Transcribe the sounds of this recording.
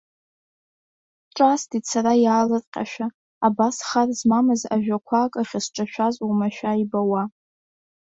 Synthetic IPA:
ʈ͡ʂʼastit͡sʰaɾajaːlɨrqʲʼa̰ʃᶣaː | basχarzmamɨzaʒᶣakʷʰakʼaχʲasʈ͡ʂʼaʃᶣazʼumaʃᶣaibawa

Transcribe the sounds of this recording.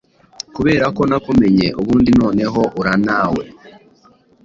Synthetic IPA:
kuβe̞ːɾako̞nakume̞ɲeʔoβuːndino̞ːne̞ɦo̞ʔuɾanaːwe̞̰

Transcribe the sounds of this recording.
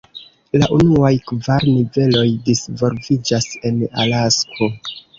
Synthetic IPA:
laʔunuajkvaɾnive̞lo̞jdisvo̞lvid͡ʒase̞na̰laskʰo̞

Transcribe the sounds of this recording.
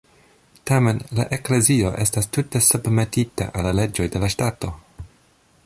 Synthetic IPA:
tame̞nla̰ʔe̞kle̞zio̞ʔe̞stastute̞subme̞tita̰ʔalːale̞d͡ʒo̞jde̞laʃtato̞

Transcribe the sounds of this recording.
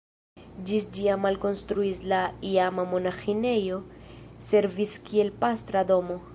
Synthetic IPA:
d͡ʒisd͡ʒiamalko̞nstɾuislaiamamo̞naxine̞jo̞se̞ɾviskie̞lpast̪ɾad̪o̞mo

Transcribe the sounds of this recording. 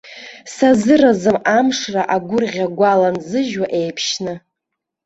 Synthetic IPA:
sazɨrazɨmamʂraʔaɡʷʊrʁʲaɡʷalanzɨʒwaʔe̞jpʰʃnɨ

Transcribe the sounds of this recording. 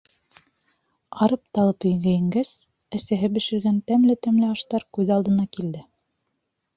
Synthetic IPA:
ɑɾɤp̚t̪ɑlˠɤpɵ̆jɡæjɘ̆ŋɡæs | æsæɦɘbɘ̆ʃɘ̆ɾɡænt̪æmlɘt̪æmlɘɑʃt̪ɑɾkʉðɑlˠd̪ɤ̆nɑkild̪ɘ

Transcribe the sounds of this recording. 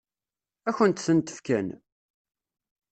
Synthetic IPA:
æçənt̪θənt̪ə̥fkæn

